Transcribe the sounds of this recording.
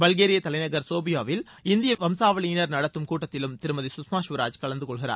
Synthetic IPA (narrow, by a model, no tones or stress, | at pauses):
bɐɭɣeːɾɪjɐt̪ɐlɐɪnɐɣɐɾsoːbɪjaːʋɪl | ɪnd̪ɪjɐʋɐmsaːʋɐɭinɐɾnɐɽɐt̪ːɯmkuːʈːɐt̪ːɪlɯmt̪ɪɾɯmɐðisʊsmaːʃʋɪɾaːd͡ʒkɐɭɐnd̪ɯkɔɭɣɪɾa̰ːɾ